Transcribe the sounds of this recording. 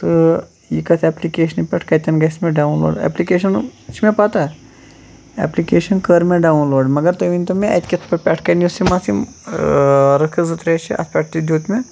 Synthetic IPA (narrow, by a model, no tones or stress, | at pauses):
t̪ɨ | jikɐt̪ʰɛːplikeːʃɐnipʲɛʈʰkɐt̪ʲɐnɡɐsmẽɖaːwnlo̰ːɖɛ̰plikeːʃɐnt͡ʃʰmẽpɐt̪a | ɛ̰plikeːʃɐnkəɾmeɖaːunloːɖmɐɡɐɾt̪ɐʋinʲt̪ɐmẽʔɐt̪ʲkʲit̪ʰpɐʈpʲɛʈʰkɐnjusimasi | ɾɐkʰəzɨt̪ɾeːt͡ʃʰḭɐ̰t̪pʲɛːʈ̚ʰt̪id̪ʲuːt̪me